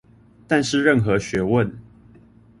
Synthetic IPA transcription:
t̪a˥˧nʂɻ̩˥˨ɻə˥˨nxɤ˨˦ɕɥɛ˨˥wə˥˨n

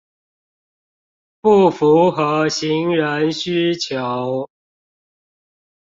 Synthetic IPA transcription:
pu˥˨˩fu˨˦xɤ˧˦ɕi˨˦ŋɻə˧˦nɕy˥t͡ɕʰjo˨˦ʊ

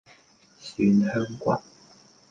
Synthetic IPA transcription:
sy˨˥nhœː˥ŋkwa̰˨˩n

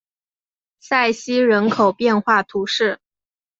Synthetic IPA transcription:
sa˥˩ɪɕi˥ɻə˧˥nkʰo˨˩ʊpjɛ˥˧nxwa˥˩t̪ʰu˧˥ʂɻ̩˥˩

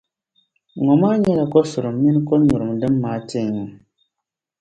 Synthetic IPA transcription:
ŋɔ˨maː˦ɲɛ˦la˨kɔ˦su˨ɾɨ˨mː˦i˦n˦kɔ˦ɲu˨ɾɨ˨mdɨ˦mːaː˨˦te˦˨ŋɔ˨

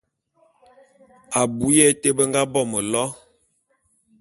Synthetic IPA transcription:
a˨bu˨˦jɛ˦te˦bə˦ŋɡa˦bɔ˦˨mə˨lɔ˦

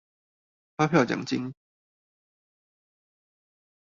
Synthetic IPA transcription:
fa˥pʰjʊt͡ɕjɑ̰˨˩ŋt͡ɕḭ˦ŋ

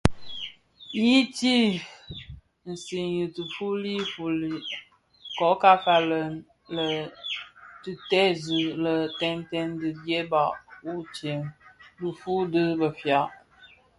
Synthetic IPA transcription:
ji˦ti˦ | n̩˨si˨njɨ˨tɨ˨fu˦li˦fu˨li˨ | kɔ˨˦ka˦ka˨lə˨n | lə˨ | tɨ˨tɛ˦zɨ˨lə˨tɛ˦n˦tɛ˦ndɨ˨dje˦ba˨ʔu˦t͡ʃe˨ŋdɨ˨fu˦dɨ˦bə˨fja˨ʔ

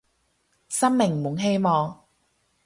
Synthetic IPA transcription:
sɐ˥mmɪ˨˩ŋmʊ˨˥˦ŋɦe˥jmɔː˨˧ŋ

